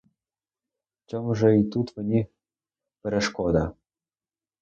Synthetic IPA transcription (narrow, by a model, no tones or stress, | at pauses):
t͡ɕɤ̆mʒɤ̆it̪ut̪mɘ̆nʲi | pɘ̆ɾʲĕʃkod̪ɑ